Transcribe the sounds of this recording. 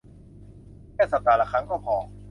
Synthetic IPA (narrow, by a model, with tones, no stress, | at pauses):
lɛː˥˩sa˨˧˩t̪aː˨˩la˧˩kʰa˦˥nkɔː˥˩pʰɔː˨˦